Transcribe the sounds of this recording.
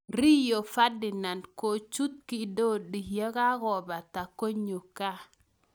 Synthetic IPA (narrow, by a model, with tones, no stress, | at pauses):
ɾi˦jo˨fa˦di˨na˨nko˨t͡ʃu˦t̪̚ki˨do˦ɗi˨ja˦ka˦ko˨ba˨ta˨ko˦ɲo˨ka˦